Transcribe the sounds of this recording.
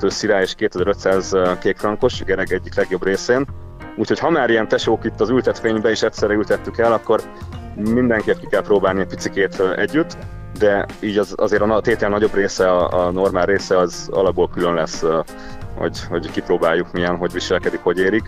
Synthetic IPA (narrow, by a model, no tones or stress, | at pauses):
t̪øːsiɾaːjeːʃkeːt̪ɛzɛɾøt̪saːzkeːk̪frɒŋko̞ʃɡɛɾɛɡɛɟːiklɛɡjo̞breːseːn | uːcʰho̞chɒmaːɾijɛnt̪ɛʃoːkit̪ːɒzylt̪ɛt̪feːɲbɛiʃɛt̪sɛrːɛylt̪ɛt̪ːykɛlɒkːo̞r | mind̪ɛŋkeːp̚kikɛlproːbaːlniɛc̚ʲpit̪sikeːt̪ːʔɛ̰ɟːyt̪ː | d̪ɛiːɟɒzɒ̰zeːɾɒnt̪eːt̪ɛlnɒɟo̞breːsɛɒɒno̞rmaːlreːsɛɒzɒ̰lɒb̚bːoːlkylø̞nlɛs | ho̰ɟhoɟkiproːbaːjːukmiɛnɦo̞ɟʋiʃɛlkɛd̪ikho̞ɟeːɾik